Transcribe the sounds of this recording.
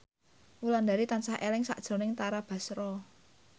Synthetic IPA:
wuland̪aɾit̪ansahʔelɪŋsa̰ʔd̥ʒ̥ɔ̤nɪŋt̪aɾab̥a̤sɾɔ

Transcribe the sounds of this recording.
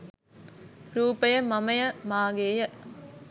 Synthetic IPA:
ɾuːpɐjɐmɐmɐjɐmaːɡeːjɐ

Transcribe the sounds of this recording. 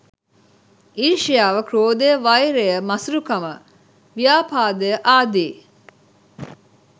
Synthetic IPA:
iɾʃijaːʋəkɾoːd̪ejəʋɐjɾejəmɐsuɾukɐmə | ʋijaːpaːd̪ejəʔaːd̪iː

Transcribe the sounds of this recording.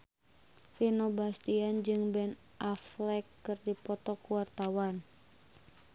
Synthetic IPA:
finobast̪iand͡ʒɨŋbɛn | ʔaflɛkːɨrdipɔt̪ɔkuwart̪awan

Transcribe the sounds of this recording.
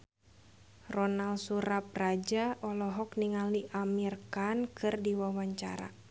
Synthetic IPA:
rɔnalsuɾap̚rad͡ʒaʔɔlɔɦɔkniŋaliʔamirkankʰɨrdiwawaɲt͡ʃa̰ɾa̰

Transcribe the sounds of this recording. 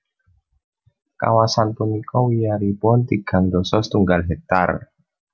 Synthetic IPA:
ka̰wasanpunikɔwijaɾipʊnt̪iɡ̥a̤ŋd̪ɔsɔst̪uŋɡalɦɛk̚t̪a̰r

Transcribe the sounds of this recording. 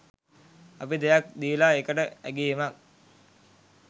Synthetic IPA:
ɐpid̪ejak̚d̪iːlaekəʈəæ̰ɡijimak̚

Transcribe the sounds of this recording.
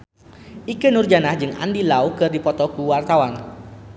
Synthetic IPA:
ʔikənurd͡ʒanahd͡ʒɨŋa̰ndilaukɨrdipɔt̪ɔkuwart̪awan

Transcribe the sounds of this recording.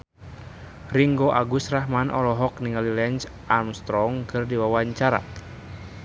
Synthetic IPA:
riŋɡoʔaɡusraɦmanʔɔlɔɦɔkniŋalilɛnt͡ʃ | ʔamst̪ɾɔŋkʰɨrdiwawaɲt͡ʃaɾa̰

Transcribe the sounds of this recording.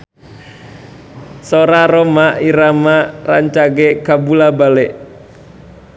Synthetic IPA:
soɾaɾomaiɾamaraɲt͡ʃaɡɛkabulabalɛʔ

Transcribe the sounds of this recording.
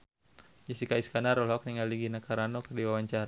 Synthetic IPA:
d͡ʒisikaiskanaɾɔlɔk̚niŋaliɡinakaɾanɔkərdiwawaɲt͡ʃaɾa

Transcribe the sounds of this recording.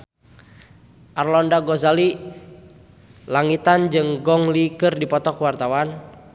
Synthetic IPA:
ʔarlɔndaɡɔzali | laŋit̪and͡ʒɨŋɡɔŋlikɨrdipɔt̪ɔkwart̪awan

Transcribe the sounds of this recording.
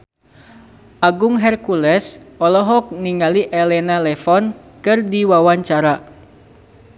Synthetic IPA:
ʔaɡʊŋɦɛrkulɛsɔlɔɦɔk̚niŋaliʔɛlɛnalɛfɔnkɨrdiwawaɲt͡ʃaɾa

